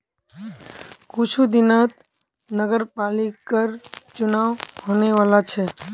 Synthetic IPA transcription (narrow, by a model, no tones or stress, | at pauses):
kʊt͡ʃʰud̪ɪnat̪ | nəɡəɾpaːlikəɾt͡ʃʊnaːʋhoːneʋaːlat͡ʃʰɛ